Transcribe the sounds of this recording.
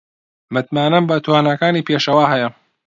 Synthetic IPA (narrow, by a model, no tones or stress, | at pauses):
mɨt̪maːnɐmbɐt̪waːnɐkaːniːpʰeːʃɐwaːɦɛjɐ